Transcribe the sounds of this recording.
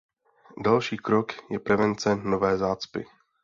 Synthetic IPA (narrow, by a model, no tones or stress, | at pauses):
dalʃiːkɾokjɛpɾɛvɛnt͡sɛnovɛːzaːt͡spɪ̰